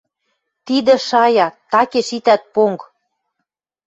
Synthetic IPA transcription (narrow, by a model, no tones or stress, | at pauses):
t̪id̪ə̆ʃɑjɑt̪ɑkeʃit̪æt̪̚poŋk